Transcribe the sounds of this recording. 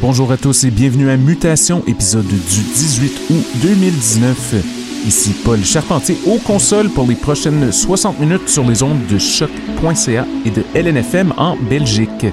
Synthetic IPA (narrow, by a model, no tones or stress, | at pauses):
b̥ɔ̃ʒuːʁat̪ʊsebjɛ̃vnyamyt̪asjɔ̃ʔepizɔd̪ːyd̪izɥit̪ud̪ømild̪iznœf | isipɔlʃaʁpɑ̃t̪jeʔokɔ̃sɔlpʊʁlepχɔʃɛnswasɑ̃t̪minyt̪syʁleːzɔ̃d̪ːəʃɔkpwɛ̃seaed̪əʔɛlɛnɛfɛmɑ̰̃bɛlʒik